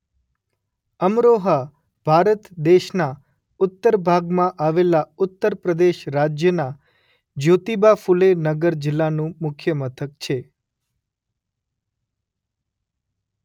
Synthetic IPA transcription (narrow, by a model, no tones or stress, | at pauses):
əmɾoɦa | b̥ʱaɾət̪d̪eʃna | ʊt̪ːəɾbʱaɡmãʔaʋelaʊt̪ːəɾpɾəd̪eʃɾad͡ʒjəna | d͡ʒot̪ibafulenəɡəɾd͡ʒɪlːanũmʊkʰjəmət̪ʰək̚t͡ʃʰe